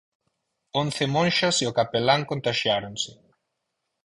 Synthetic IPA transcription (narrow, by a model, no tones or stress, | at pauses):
on̟θɪmõnʃasiokapelaŋkõnt̪aʃjaɾonsɪ